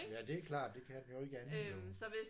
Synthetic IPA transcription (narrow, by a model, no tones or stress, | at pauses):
jæd̥e̝æɐkʰlɑ̰̈ːd̥d̥e̝kʰæd̥enjo̝e̝ɡ̥əænesɒ̽ʋes